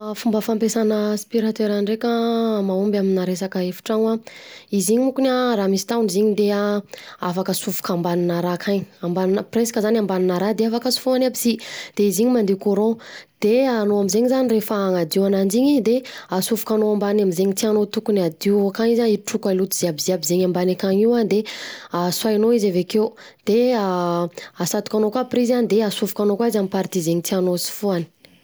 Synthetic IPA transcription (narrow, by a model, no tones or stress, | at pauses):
afumbəfampesanəspiɾat̪eɾanɖ͡ʐekamaumbaminaɾesakəefu̥ʈ͡ʂaŋaiziɲimukunaɾamisi̥t̪auniziɲid̪eaafakəsufu̥kambaninaɾakʰaɲambaninəpresḁkəzanambaninaɾad̪eafakəsu̥fuanabisid̪̥eiziɲimand̪ekoɾõd̪̥eanoamizeɲizanirefaaŋad̪iwanand͡ʒiɲid̪easuvu̥kanoambanamizeɲit̪ianot̪ukunad̪iwakaŋizaiʈ͡ʂukalut̪iz̥iabiziabizeɲambanakaŋiwand̪easwajnoizavekewd̪̥ea | asat̪u̥kanokaprizanid̪easuvukanokwaizamipaɾt̪izeŋit̪ianosi̥fuani̥